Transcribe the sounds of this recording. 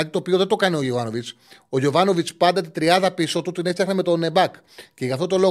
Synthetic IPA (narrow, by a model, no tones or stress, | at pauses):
ɐt̪i̥t̪o̞pio̞ðed̪o̞kɐneoʝovɐno̞vit͡s | o̞ʝo̞vɐno̞vit͡spɐnd̪ɐt̪it̪ɾiɐðɐpisoot̪ut̪ine̞ft̪ɐxnɐme̞t̪o̞nebɐk | ce̞ʝɐft̪ot̪o̞lo̞